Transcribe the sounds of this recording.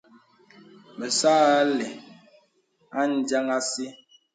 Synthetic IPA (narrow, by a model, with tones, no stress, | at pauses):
mə˨saː˦lɛ˨ | a˦n˨d͡ʒa˦ŋa˦si˦